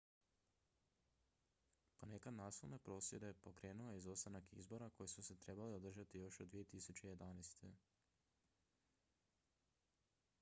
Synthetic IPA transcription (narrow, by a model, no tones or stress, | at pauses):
ko̞ne̞kad̪naːsilne̞pɾo̞ːsje̞d̪e̞po̞kɾe̞ːnuojeizost̪anakḭzbo̞ɾako̞jesuse̞t̪ɾe̞baliod̪r̩ʒat̪ijo̞ʃod̪ʋije̞t̪isut͡ɕe̞je̞d̪anejst̪ʰe̞